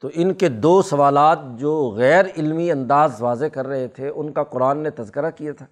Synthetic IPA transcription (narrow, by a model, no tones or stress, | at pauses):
t̪oʔɪnked̪oːsɐʋaːlaːt̪̚d͡ʒoːɣɛːɾɪlmiɐ̃nd̪aːzʋaːzekɐɾːɐɦet̪ʰeʊnkaqʊɾaːnːet̪ɐzkəɾakijat̪ʰaː